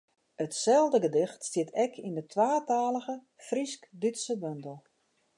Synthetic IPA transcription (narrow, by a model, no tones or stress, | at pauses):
ətsɛlˠdəɡədɪxtstɪtʰɛkʰindətʰʋaːtaːləɣə | friskdytsəbøndəlˠ